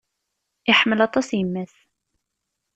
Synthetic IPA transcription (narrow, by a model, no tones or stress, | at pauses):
ɪħməlɑt̪ˤɑsjəmːæθ